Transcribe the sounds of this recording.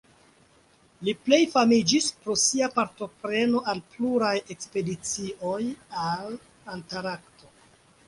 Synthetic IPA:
liple̞jfamid͡ʒispɾo̞siapaɾto̞pɾe̞no̞ʔalpluɾaje̞kspe̞dit͡sio̞jal | antaɾakto̞

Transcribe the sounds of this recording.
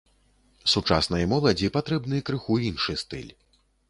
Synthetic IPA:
sut͡ʂa̰sn̪ɐjɐmɔlˠɐd͡zʲipat̪ɾɛbnɨjɐkɾɨxuinʂɨst̪ɨ̰lʲ

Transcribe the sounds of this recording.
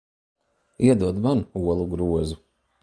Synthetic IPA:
iɛd̪uɔd̪manuɔlˠuɡɾuɔzu

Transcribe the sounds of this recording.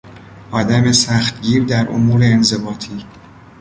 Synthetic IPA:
ʔɒːd̪æme̞sæxt̪ɟiːɾd̪æɾʔo̰muːɾe̞ːnze̞bɒːt̪ʰiː

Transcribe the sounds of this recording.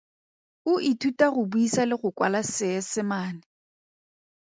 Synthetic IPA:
ʊʔitʰutʼaɣʊbuisalɪɣʊkʼwa̰lasɪɛsɪmaːnɪ

